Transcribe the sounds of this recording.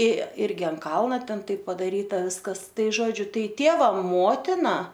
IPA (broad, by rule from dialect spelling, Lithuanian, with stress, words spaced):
ɪ ˈɪrʲɡʲɪ ɐnt ˈkɐlˠnɐ ˈtʲɛn ˈtɐɪp pɐdɐˈrʲiːtɐ ˈʋʲɪskɐs ˈtɐɪ ˈʒoːd͡ʒʲʊ ˈtɐɪ ˈtʲeːʋɐ ˈmoːtʲɪnɐ